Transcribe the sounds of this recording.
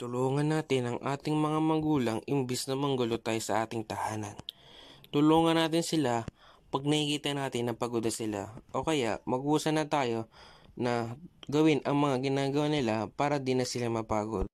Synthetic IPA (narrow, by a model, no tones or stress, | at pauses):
t̪ʊloːŋɐnːaːt̪ɪnɐŋʔaːt̪ɪŋmɐŋamɐɡuːlɐŋɪmbɪsnɐmɐŋɡʊlot̪aːjosɐʔaːt̪ɪŋt̪ɐhaːnɐnt̪ʊloːŋɐnaːt̪ɪnsɪlapɐɡ̚nɐhikiːt̪ɐnaːt̪ɪnːɐŋpɐɡod̪ɐsɪla̰ʔo̞ːkɐjaʔmɐɡuːsɐnɐt̪aːjo̞nɐɡɐwɪnʔɐŋmɐŋaɡɪnaːɡɐwanɪlapaːɾɐd̪ɪnɐsɪlamɐpaːɡo̞̰d̪̚